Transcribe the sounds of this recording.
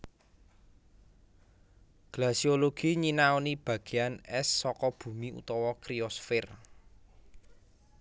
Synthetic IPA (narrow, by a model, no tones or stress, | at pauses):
ɡ̥lasioloɡ̥i̤ɲinaonib̥ä̤ɡ̥e̤anɛsːɔkɔb̥ṳmiṵt̪ɔwɔkɾiɔsfɪr